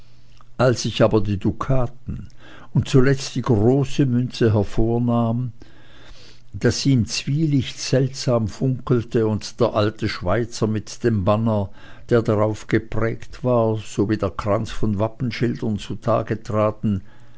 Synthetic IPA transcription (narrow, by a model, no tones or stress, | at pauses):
ʔalsɪçaːbɐdiːdukʰaːtn̩ | ʊnt̚t͡sulɛt͡std̥iːɡ̥ʁoːsəmʏnt͡səɦɛɐfoːɐnaːm | d̥asːiːɪmt͡sv̥iːlɪçtz̥ɛltz̥aːmfʊŋkl̩təʊntd̥eːɐʔaltəʃv̥aɪt͡sɐmɪtd̥eːmbanə | d̥eːɐdaʁaʊfɡ̥əpʁ̥ɛːktv̥aːɐz̥oːviːd̥eːɐkʁ̥ant͡sfɔnvapn̩ʃɪldɐnt͡sutʰa̰ːɡətʁ̥aːtn̩